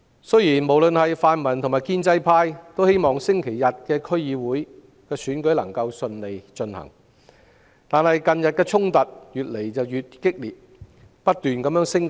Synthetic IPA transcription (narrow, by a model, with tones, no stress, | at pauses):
sɵ˥ɥjiː˨˩nmo˨˩wlɵ˨˧nhɐ˨jfaː˧nmɐ˨˩nt̪ʰmaː˨jkiː˥nt͡sɐ˧˥jpʰaː˧jt̪o˥whe˥jmɔː˨ŋsɪ˥ŋkʰe˨˩jjɐ˨t̚kɛː˧kʰɵ˥ɥjiː˨˧wuː˨˥j | kɛː˧syː˨˥nkɵ˨˥ɥlɐ̰˨˩ŋkɐ˧wsɵ˧nle˨jt͡ʃɵ˧nhɐ̰˨˩ŋ | t̪aː˨nhɐ˨jkɐ˨njɐ˨t̚kɛː˧t͡sʰʊ˥ŋt̪ɐ˨t̚jyː˨t̚le˨˩jt͡sɐ˨wjyː˨t̚kɪ˥k̚liː˨t̚ | pɐ˥t̚t̪yː˨nkɐ˨˥mjœː˥ŋsɪ˥ŋ